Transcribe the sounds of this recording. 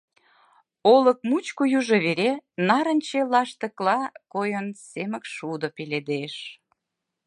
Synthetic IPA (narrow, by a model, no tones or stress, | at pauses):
olək̚mut͡ɕkujuʒeβeɾenɑɾə̆nʲt͡ɕelɑʃt̪ə̆klɑkojənsemə̆kʃud̪opeled̪eʃ